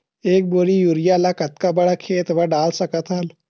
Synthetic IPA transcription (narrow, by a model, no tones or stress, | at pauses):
eːk̚boɽijuɾijalakɐt̪kabɐɽakʰeːt̪ʋəɖaːlsəkət̪ɦal